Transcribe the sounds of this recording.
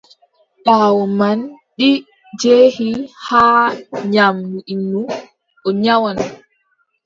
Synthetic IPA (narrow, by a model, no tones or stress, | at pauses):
ɓaːwɔman | ɗi | d͡ʒeːhihaːɲamnuʔinːu | ʔɔɲawan